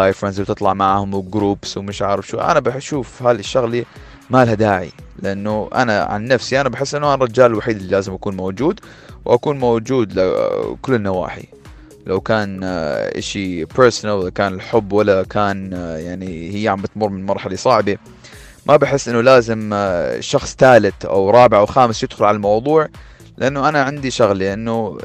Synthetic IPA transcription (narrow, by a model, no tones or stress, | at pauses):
ajfɾandzwt̪ɨt̪ˤlɑʕmaʕhʊmwɪɡɾuːpswmɪʃʕaʕɾɪfʃṵʔa̰nabaʃuːfhalɪʃːaɣli | maːlhad̪aːʕḭlɪʔanːʊʔa̰na̰ʕa̰nːafsiʔanabaħɪsːʔɪnːʊʔanrˤɑd͡ʒaːlɪlwaħiːd̪ɪlːilaːzɪmʔakuːnmowd͡ʒuːd̪ | wʔakuːnmowd͡ʒuːd̪lɪ̰kʊlːɪnːawa̰ːħḭ | lawkaːnʔɪ̰ʃipəɾsnalwalakaːnɪlħʊbːwalːakʰaːnjaʕnihɪjːaʕambat̪mʊrːˤmɪnmɑɾˤħalisˤɑʕbi | mʔabaħɪsːʔɪnːʊlaːzɪmʃɑxsˤt̪aːlɪt̪ʔa̰wɾˤɑːbɪʕawxaːmɪsjɪd̪xʊlʕalalmɑwðˤuːʕ | lɪʔanːʊʔanaʕɪnd̪iʃaɣlʔanːʊ